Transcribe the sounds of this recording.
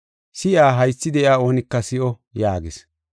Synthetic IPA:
sɪʔaːɦɐjsːɪd̪ɛʔɪaːo̞ːnɪkːɐsɪʔɔ | jaːɡɪs

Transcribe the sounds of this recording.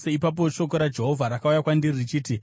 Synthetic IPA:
seipap̬o̞ʃo̞koɾad͡ʒe̞ɦovʱaɾakaujakwandiririt͡ʃiːti

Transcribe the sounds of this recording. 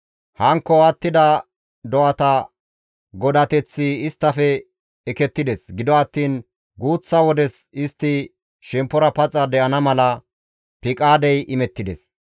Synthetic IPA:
hɐŋkːɔɐt̪ːɪd̪ɐ | d̪ɔʔɐt̪ɐ | ɡɔd̪ɐt̪ɛt͡sːɪɪst̪ːɐfɛː | kɛt̪ːɪd̪ɛsɡɪd̪ɔɐt̪ːiːn | ɡuːt͡sːɐwɔd̪ɛsɪst̪ːɪ | ʃɛmpːɔɾɐpɐt͡sʼɐd̪ɛʔɐnɐmɐlɐ | pɪkʼaːd̪ɛjʔɪmɛt̪ːɪd̪ɛs

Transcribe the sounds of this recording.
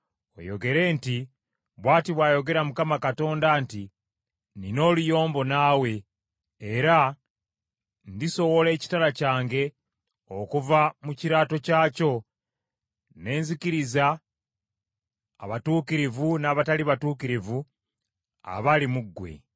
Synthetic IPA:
o̞̰jo̞̰ɡe̞ɾe̞ːnti | βwaːtiβwaːjo̞ɡe̞ɾamukamakato̞ːndaːnti | nino̞ːlujo̞ːmbo̞nawe̞ | eɾa | ndiso̞wo̞le̞ːci̥talacaːŋɡe̞ | okuvamuciɾaːto̞caːco̞ | ne̞ːnzikiɾiza | βatuːkiɾivunaːβataliβatuːkiɾivu | a̰βalimuɡːwe̞̰

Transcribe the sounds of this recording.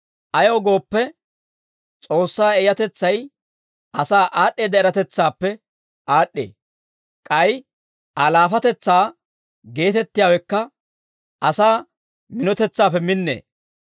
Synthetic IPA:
ʔɐjoːɡo̞ːpːɛ | t͡sʼo̞ːsːaːɛjɐt̪ɛt͡sːɐj | ʔɐsaːʔaːɗːeːd̪ɛɛɾɐt̪ɛt͡sːaːpːɛ | aːɗːḛː | kʼɐj | ʔɐlaːfɐt̪ɛt͡sːaː | ɡe̞ːt̪ɛt̪ːɪjaːwɛkːɐ | ʔɐsaː | mɪnɔt̪ɛt͡sːaːpːɛmɪnːḛː

